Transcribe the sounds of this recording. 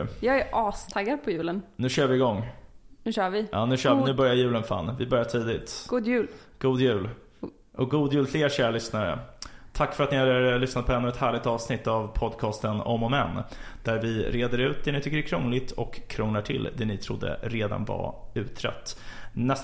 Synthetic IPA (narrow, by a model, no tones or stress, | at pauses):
jɑːɡæɾʔɑːst̪ʰaɡːaɾpʰɔjʉ̟ːlənnʉ̟ːɕøːɾvɪɪɡɔŋːnʉɕœːvɪjɑːnʉ̟ɕœːʉ̟ːbœɾjajʉ̟ːlənfa̰nːvɪbœɾjaʈʰiːd̪ɪt̪ɡ̥uːd̪jʉ̟ːl | ɡ̥uːd̪jʉ̟ːl | ʔɔɡuːd̪jʉːlfleːɾɕæːɾaɭʏsnaɾə̰t̪ʰakːfœɾat̪nɪhad̪lʏsnat̪̚pʰɔɛnːɵːɛt̪hæːɭɪk̚t̪ɑːvsnɪt̪ːavpʰɔd̪kʰɑːst̪ənɔ̰mɔmɛnːd̪̥æɾvɪɾeːd̪əɾʉ̟ːt̪̚d̪ɛnɪt̪ʰʏkːəɾɛkʰɾɔŋlɪt̪ʰɔkʰːɾɔŋlaʈʰɪ̰lːd̪ɛnɪt̪ʰɾʊd̪ːə̰ɾeːd̪a̰nva̰ʉ̟ːt̪ʰɾɛ̰t̪ːnɛs